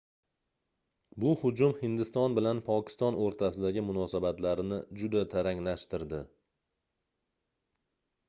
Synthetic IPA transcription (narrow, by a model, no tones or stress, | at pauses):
bʊhʊd͡ʒʊmhɪnd̪ɪst̪ɒnbɪlanpʰɒkʲɪ̥st̪ɒnoɾt̪ʰasɪd̪aɡʲɪmʊnɒsabat̪laɾnɪd͡ʒʊd̪at̪ʰaɾaŋlaʃt̪ɪɾd̪ɪ